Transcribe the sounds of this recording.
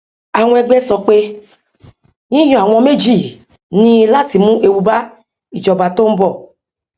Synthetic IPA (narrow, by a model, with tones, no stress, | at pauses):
a˨w̃ɔ̃˧ɛ˧ɡ͡bɛ˦sɔ˧k͡pe˦ | ɲĩ˦j̃ɔ̃˧˦a˨w̃ɔ̃˧me˦d͡ʒi˦˨ | nĩ˦˧la˦˨ti˧mũ˦ʔe˧wu˧ba˦ | i˨d͡ʒɔ˨ba˧to˦m̩˦bɔ˦˨